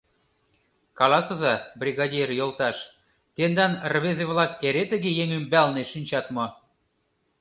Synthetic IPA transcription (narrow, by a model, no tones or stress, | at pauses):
kɑlɑsɤ̆zɑbrʲiɣɑdʲirjolˠt̪ɑʃ | t̪end̪ɑnrβezeβlɑkːeɾet̪əɣejeŋymbælneʃinʲt͡ɕɑt̪mɤ̆